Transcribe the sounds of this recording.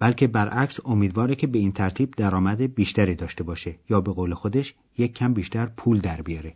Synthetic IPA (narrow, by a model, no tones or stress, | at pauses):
b̥ælkʰe̞bæɾʔæcso̞miːd̪vɒːɾecʰe̞be̞iːnt̪ʰæɾt̪ʰiːb̚d̪æɾɒːmæd̪ebiːʃt̪æɾiːd̪ɒːʃt̪e̞bɒːʃe̞jɒːbe̞ɣoːle̞xo̞d̪eʃ | jecʰːæmbiːʃt̪æɾpʰuːld̪æɾbijɒːɾe